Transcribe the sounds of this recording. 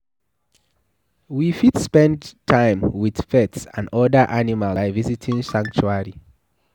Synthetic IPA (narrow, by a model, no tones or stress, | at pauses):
wifidspɛ̃ndtʰãɪ̃mwið̥fɛtsã̰ndɔdə˞ʔanimalaɪvizitʰĩŋsãŋk̚t͡ʃuaɹi